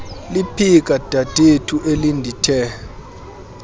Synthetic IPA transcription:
lipʰik̬ʼad̥ʱad̥ʱetʰuʔelindʱitʰɛ

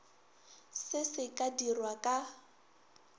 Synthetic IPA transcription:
sɪsɪkʼadirwakʼa

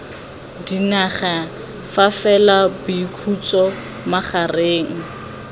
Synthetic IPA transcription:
dinaχa | fafɛlabʊikʰut͡sʼɔ | maχareːŋ̩

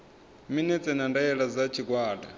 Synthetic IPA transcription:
minɛt͡sʼɛnandajɛɺad͡zat͡ʃʰiɡwaːda

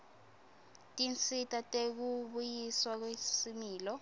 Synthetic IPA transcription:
tʼint͡sʰʼitʼatʼek̬uɓujiswak̬wesimiːlɔ

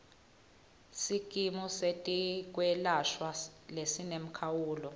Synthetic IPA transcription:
sikʼimusetʼik̬wɛlaʃwalesinem̩kʰawuːlɔ

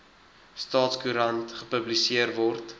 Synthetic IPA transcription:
stɑːtskuɾɐntχəpəblisiərvɔrt

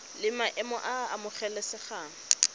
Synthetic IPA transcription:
lɪmaʔɛmɔʔaamʊχɛlɛsɪχaːŋ̩

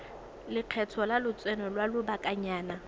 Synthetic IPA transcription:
lɪq͡χʰɛtʰɔlalʊt͡sʼwɛnɔlwalʊbakʼaɲaːna

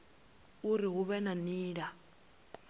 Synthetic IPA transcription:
uɾiɦuβɛnaniːɺa

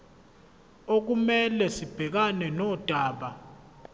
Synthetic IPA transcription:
ok̬umɛlɛsib̥ʱɛk̬anɛnɔd̥ʱaːɓa

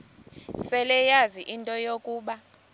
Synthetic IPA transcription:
sɛlɛjaziʔintʼɔjokʼuːɓa

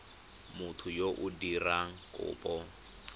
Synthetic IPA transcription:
mʊtʰʊjoʔʊdiraŋ̩kʼʊ̰ːpʼɔ

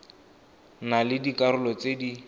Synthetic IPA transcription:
nalɪdikaɾʊlɔt͡sedi

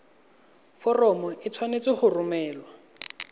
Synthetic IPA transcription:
fɔrɔmɔɪt͡sʰwanet͡sɪχʊrʊmɛːlwa

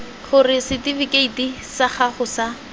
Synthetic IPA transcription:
χʊrɪsɪtivikeiti | saχaχʊsa

